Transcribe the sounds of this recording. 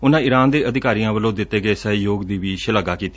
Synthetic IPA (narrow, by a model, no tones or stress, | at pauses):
ʊnãːɪɾaːnd̪eːʔəd̪ɪkaːɾijãːʋəlõːd̪ɪt̪ːeːɡəeːsəɦjoːɡd̪iːʋiːʃəlaːɡaːkiːt̪ː